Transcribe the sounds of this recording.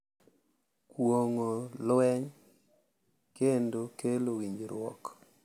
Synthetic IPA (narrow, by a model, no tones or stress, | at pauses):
kwoŋolwɛɲ | kendokelowiɲd͡ʒɾwɔ̰k